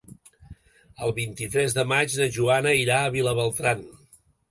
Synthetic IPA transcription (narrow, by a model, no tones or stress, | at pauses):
əlˠβint̪it̪ɾɛzðəmad͡ʒnəʒuanəiɾaəβ̞iləβəlˠt̪ɾan